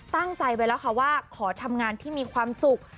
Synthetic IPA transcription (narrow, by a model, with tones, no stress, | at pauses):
t̪a˥˩ŋt͡ɕa˧jpa˧jlɛː˦˥wkʰa˥˩waː˥˩kʰɔː˩˦t̪ʰa˧mŋaː˧nt̪ʰiː˥˩miː˧kʰwaː˧msu˨˩k̚